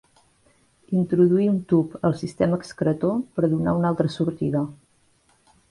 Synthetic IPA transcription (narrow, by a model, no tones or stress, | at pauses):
int̪ɾuðuiunt̪upəlˠsist̪ɛməːkskɾət̪opəɾðuna̰unalˠt̪ɾəsuɾt̪iðə